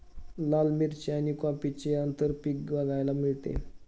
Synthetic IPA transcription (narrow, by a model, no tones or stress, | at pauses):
lalmiɾt͡ɕeanikɔ̃pit͡ɕeənt̪əɾpikbaɡajlamiɭt̪ḛ